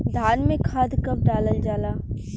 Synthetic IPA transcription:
d̪ʱaːnmẽkʰaːd̪ʱkəb̚ɖaːləld͡ʒaːlaː

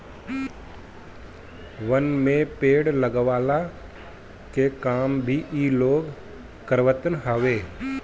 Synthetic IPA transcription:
ʋənmẽpeːɽləɡʋaːla | kekaːmbʱiʔiːloːɡ | kəɾʋət̪ənɦəʋeː

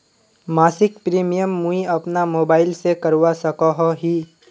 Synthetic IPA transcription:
maːsɪkpɾiːmijəmːũiɐpnamoːbaːɪlsekɐɾwasɐkaɦoɦiː

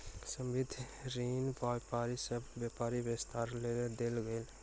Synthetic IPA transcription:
sə̃mbɪd̪ʱɾiːnpajpaːɾisəbːjapaːɾibest̪ʰaːɾlened̪elɡəɪl

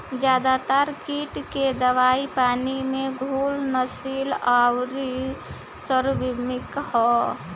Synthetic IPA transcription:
d͡ʒjaːd̪at̪əɾkiʈked̪əʋaipaːnimẽɡʱuːlnəsilawɾi | səɾbimɪkhɔ

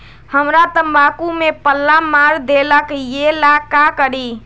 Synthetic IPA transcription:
həmɾat̪əmbakumepəlːamaɾd̪eləkjelakakəɾi

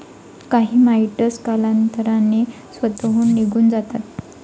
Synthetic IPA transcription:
kaɦiːmaiʈəskalant̪əɾane | sʋət̪ɦuːnːiɡʱuːnd͡zat̪at̪̚

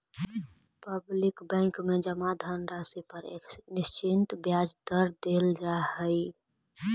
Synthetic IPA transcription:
pəblɪkbɛ̃ːŋkmed͡ʒəmad̪ʱanɾasipəɾḛnɪst͡ʃɪnt̪bjad͡ʒd̪əɾd̪eld͡ʒaɦəɪ

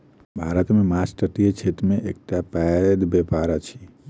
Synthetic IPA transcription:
bʱaɾət̪mẽmat͡ʃʈəʈijet͡ʃʰet̪mẽʔek̚ʈapɛd̪bepaɾat͡ʃʰi̥

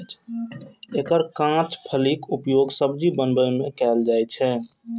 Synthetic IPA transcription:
ekəɾkãt͡ʃpʰəlikupjoɡsəbd͡ʒibənbəjmẽkɛld͡ʒajt͡ʃʰɛ

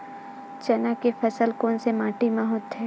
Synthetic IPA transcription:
t͡ʃɐnakefɐsəlkoːnsemaːʈimɐɦʊt̪ɦɛː

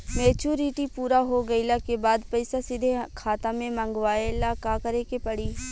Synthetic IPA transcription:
meːt͡ʃuːɾiʈipuːɾaɦoɡɐɪlakebaːd̪pɐɪsasɪd̪ʱekʰaːt̪amẽmɐ̃ŋɡʋaːelakaːkɐɾekepɐɽiː

